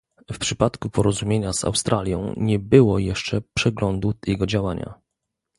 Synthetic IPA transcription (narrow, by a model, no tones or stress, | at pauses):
fpʂɘpat̪kupɔɾɔzumʲjeɲaza̰wst̪ɾʔalʲjɔ̰̃w̃ɲɛbɘwɔjɛʂt͡ʂɛpʂɛɡlɔnd̪ujɛɡɔd͡ʑawaɲa̰